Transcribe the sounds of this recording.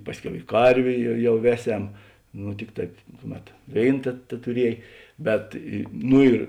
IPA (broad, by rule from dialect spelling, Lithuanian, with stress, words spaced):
ˈpɑːsʲˌkʲɛʊ ɪ ˈkɐrʲʋʲeː jɛ ˈjɛʊ ˈʋʲæːˌsʲɛm nʊ ˈtʲɪk tɐɪp ˈkʊˌmʲɛt ˈʋʲeːɪn tʲɛ tʲɛtʊˈrʲiɛj ˈbʲɛt ɪ ˈnʊ ɪr